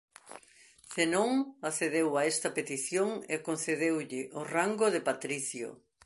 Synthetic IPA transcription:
senõŋaθeðewaɛst̪ɐpet̪iθjoŋekonθeðewʎɪʔoraŋɡoðepat̪ɾiθjo̰

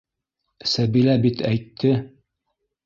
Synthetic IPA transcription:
sæbilæbit̪ʰæjt̪ʰːɘ

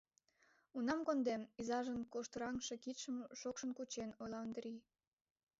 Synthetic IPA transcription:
unɑmkond̪emizɑʒənkoʃt̪ɾɑŋʃe̽kit̪ʃəmʃokʃə̆nkut͡ɕenojlɑond̪ɾi

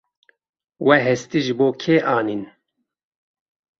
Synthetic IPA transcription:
wʔɛɦɛst̪iʒɨboːkʰeːʔɑːniːn

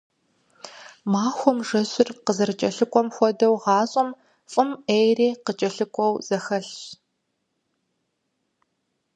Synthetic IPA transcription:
maːxʷɔmʐɐɕɪrqəzɐrt͡ʃʼɐɬɨkʷʼɔmxʷɔdɐwʁɑːɕʼɔm | fʼɨmejreːqət͡ʃʼɐɬɨkʷʼɔwz̥ɐxɐɬ

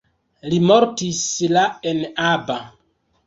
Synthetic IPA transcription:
limoɾtislaenaba

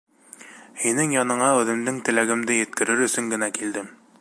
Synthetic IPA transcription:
hinɘŋjɑnɤ̆ɴɑʉðɘ̆md̪ɘŋt̪ɘ̆læɡɘ̆md̪ɘjɘ̆t̪̚kɘ̆ɾɘɾɵ̆sɵŋɡɘ̆nækild̪ɘm

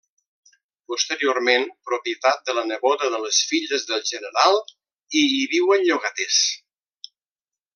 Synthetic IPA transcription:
pust̪əɾioɾmenpɾupjət̪at̪̚d̪ələnəβɔðəðələsfiʎəzðəlˠʒənəɾalˠ | iːβiwənʎuɣat̪es

